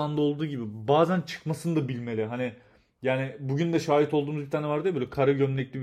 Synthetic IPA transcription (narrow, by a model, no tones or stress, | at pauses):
and̪ao̞lˠd̪uːɟibibaːzænt͡ʃʰɯ̥kmasɯnd̪abilʲme̞lʲiɦanɪ | jaːnɪbuɟynd̪ɛʃaːjit̪ʰolˠd̪uːmuzbit̪ʰaːnɛvaɾd̪ɯbølʲɛkʰaɾaɟønlʲclʲib